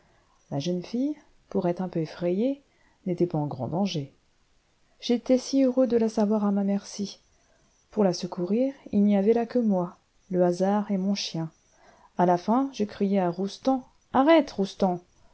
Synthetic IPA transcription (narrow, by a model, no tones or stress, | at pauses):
laʒənfij | puʁɛt̪χɛ̃pøefχɛje | net̪ɛpaɑ̃ɡʁɑ̰̃d̪ɑ̃ʒe | ʒ̥et̪ɛsiøʁød̪əlasavwaʁamamɛʁsi | puʁlasəkuʁiʁilniavɛlakəmwa | ləazaʁemɔ̃ʃjɛ̃ | alafɛ̃ʒəkχijɛaʁust̪ɑ̃ | aʁɛt̪ʁust̪ɑ̃